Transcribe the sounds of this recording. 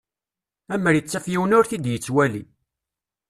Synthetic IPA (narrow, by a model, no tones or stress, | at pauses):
æməɾjət͡sːæfjiwənʊɾθid̪jət͡sːwæli